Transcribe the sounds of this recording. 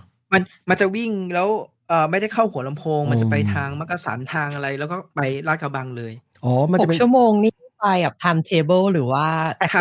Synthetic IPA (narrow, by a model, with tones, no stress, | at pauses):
ma˧nma˧nt͡ɕa˨˩wi˥˩ŋlɛː˦˥w | ʔɤː˨˩ma˥˩jda˥˩jkʰa˥˩whu˨˩˦əla˧mpʰoː˧ŋma˧nt͡ɕa˨˩pa˧jt̪ʰaː˧ŋma˦˥ka˧sa̰ː˩˦nt̪ʰaː˧ŋʔa˧ɾa˧jlɛː˦˥kɔː˥˩pa˧jɾaː˦˥t̚ka˧ba˧ŋlɤː˧j | ʔɔː˨˩ma˧˨t͡ɕu˥˩əmoː˧ŋniː˥˩u˥˩pa˧jkɛ˨˩p̚t̪ʰaː˧mt̪ʰeː˧bɤː˥˩lɾɯː˩˦waː˥˩t̪ːʰ